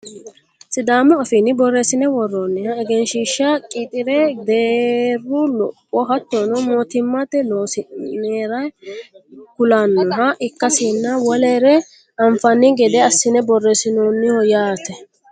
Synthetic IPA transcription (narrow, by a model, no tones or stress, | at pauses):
sɪd̪aːmɔːfɪnɪbɔrːɛsɪnɛwɔrːɔnːɪhɐɛɡɛnʃiːʃːɐkʼiːt̪ʼɪɾɛd̪eːrːʊlɔpʼːɔɦɐt̪ːonɔmoːt̪ɪmːɐt̪ɛloːsɪneːɾɐj | kʊlanːɐɦɐʔɪkːɐsiːnːɐwɔleːɾɛ | ɐɱfɐnːɪɡɛd̪ɛɐsːɪnɛbɔrːɛsɪnɔnːɪhɔjaːt̪ɛ